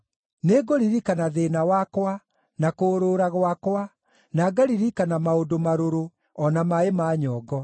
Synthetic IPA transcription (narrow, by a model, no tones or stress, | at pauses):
neɡoɾiɾikanaðenawakwa | nakoːɾoɾaɣwakwa | naɡaɾiɾikanamaodomaɾoɾo | ɔnamaemaːɲɔːɡɔ